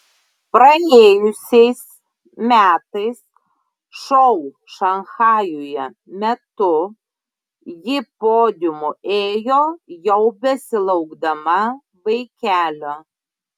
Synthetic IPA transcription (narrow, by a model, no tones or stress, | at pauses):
pɾɐeːjʊsʲɛɪs | mʲæːt̪ɐɪs | ʃɔʊ | ʃɐŋxɑːjujɛ | mʲɛt̪ʊ | jɪpoːd̪ʲɪmoeːjoːjɛʊbʲɛsʲɪlˠɐʊɡd̪ɐmɐ | ʋɐɪkʲæːlʲo